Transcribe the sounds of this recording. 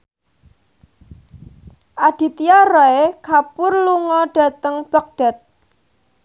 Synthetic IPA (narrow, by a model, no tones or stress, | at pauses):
ʔad̪̥i̤t̪ijarɔekapʊrluŋɔɖ̥a̤t̪əŋb̥ə̤k̚ɖ̥a̤t̪̚